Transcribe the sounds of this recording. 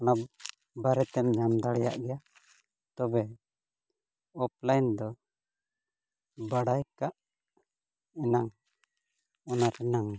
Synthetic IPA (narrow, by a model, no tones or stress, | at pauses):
ɔna | baɾɛt̪ɛmɲamd̪aɽɛja̰ʔɡɛja | t̪ɔbɛ | ɔp̚lajnd̪ɔ | baɽajkaʔ | ɛnaŋ | ɔnaɾɛnaŋ